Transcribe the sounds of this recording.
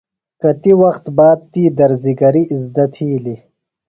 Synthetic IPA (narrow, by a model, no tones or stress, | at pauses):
kɐt̪iwɐxt̪baːd̪̚t̪iːd̪ɐɾziɡɐɾiːzd̪ɐt̪ʰiːli